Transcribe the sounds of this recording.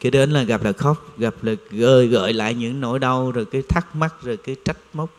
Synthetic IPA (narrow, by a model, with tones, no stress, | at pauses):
ki˧˦ɗe˨˦nlaː˨˩ɣa˨˩p̚laː˨˩xɔ˦˥wk͡p̚ɣa˨˩p̚laː˨˩ɣəː˧˩jɣə̰ː˧˨jla̰ː˧˨jɲɨ̰˧˥ŋno̰˧˥jɗa˧wzoː˨˩jkaː˨˦jt̪ʰa˦˥k̚ma˦˥t̚zo˨˩jkaː˨˦jt͡ɕa˦˥jk̟̚mə˦˥k͡p̚